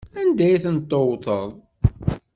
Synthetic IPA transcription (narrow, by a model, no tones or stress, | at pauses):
ænd̪æjiθənt̪ːowt̪ˤəðˤ